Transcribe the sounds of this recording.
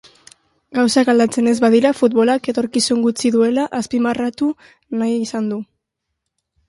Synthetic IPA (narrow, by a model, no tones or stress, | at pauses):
ɡawsakald̪at͡se̞ne̞zβaðiɾafut̪̚βo̞lake̞t̪o̞ɾkisuŋɡut͡siðue̞laʔaspimarat̪u | najisand̪u